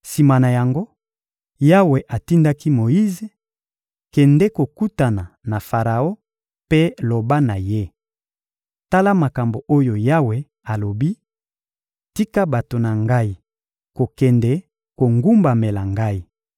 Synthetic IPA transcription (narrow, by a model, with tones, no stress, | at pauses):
si˨ma˨na˨ja˨ŋɡo˦ | ja˦we˨ʔa˨ti˦nda˦ki˦mo˨i˦ze˨ | kɛ˨ndɛ˦ko˨ku˦ta˨na˨na˨fa˨ʁa˨o˦ | pe˦lo˨ba˦na˨je˦ | ta˦la˦ma˨ka˨mbo˨ʔo˦jo˨ja˦we˨ | a˨lo˨bi˦ | ti˦ka˦ba˨to˨na˨ŋɡa˦i˦ | ko˨kɛ˨ndɛ˦ | ko˨ŋɡu˦mba˨me˨la˨ŋɡa˦i˦˨